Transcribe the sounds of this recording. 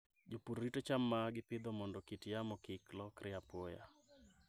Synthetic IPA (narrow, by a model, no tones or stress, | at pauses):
d͡ʒopuɾːitot͡ʃamːaɡɪpɪd̪ɔmɔndɔkitijamɔkɪklɔkɾʔɪapoja̰